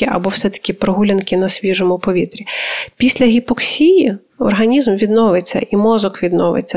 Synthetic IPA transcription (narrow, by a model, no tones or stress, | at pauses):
ɪʔɐ̰bɔwsɛt̪ɐ̥kʲɪpɾɔɦulʲɐnkʲɪnɐsʲʋʲiʒɔmʊpɔʋʲit̪ɾʲipʲisʲlʲɐɦʲipɔksʲiji | ɔ̰rɦɐnʲizmʋʲid̪nɔʋɪt͡sʲːɐ̰ʔimɔzɔkʋʲid̪nɔʋɪ̰t͡sʲːɐ